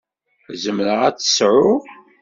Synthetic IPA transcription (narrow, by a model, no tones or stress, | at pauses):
zəmɾəʁæt͡sːə̥sʕʊ